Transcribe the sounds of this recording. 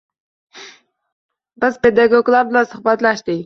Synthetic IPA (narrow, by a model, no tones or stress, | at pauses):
basped̪aɡoklablasəχbat̪laʃt̪i